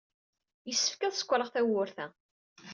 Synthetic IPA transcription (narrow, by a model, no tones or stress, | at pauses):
jəsːəfkæðsə̥kʷːɾəʁθæwʊɾθæ